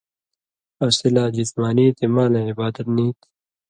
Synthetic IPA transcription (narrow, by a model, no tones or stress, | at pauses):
ɐsilaːd͡ʑismaːniːt̪imaːleibaːd̪ɐt̪niːt̪